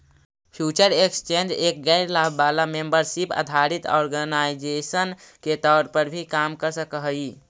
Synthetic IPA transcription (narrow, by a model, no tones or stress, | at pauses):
pʰjut͡ʃəɾekst͡ʃend͡ʒek̚ɡaɪɾlabʱbalamembəɾsipə̰d̪ʱaɾit̪ɔ̰ɾɡənaid͡ʒesənket̪ɔːɾpəɾbʱikamkəɾsə̃kəɦəi